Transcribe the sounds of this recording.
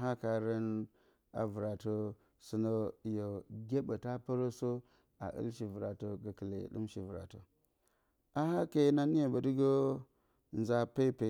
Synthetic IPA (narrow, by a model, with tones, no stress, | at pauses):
ɦa˦ka˨ɾə˦n | a̰˨vu˨ɾa˨to˦ | su˦no˦˨jo˨ɡʲe˦ba˨ta˦pa˦ɾo˦so˦ | a̰˨ʔḭ˦lʃ̬i˨vu˨ɾa˨to˦ɡa˨kə˨lḛ˨ɗṵ˦mʃi˨vu˨ɾa̰˨to̰˨ | a˦ha˦ke˦˨na˦ni˦ja˨ba˨di˦ɡo˦ | nza˨pa˦i˦pe˨˦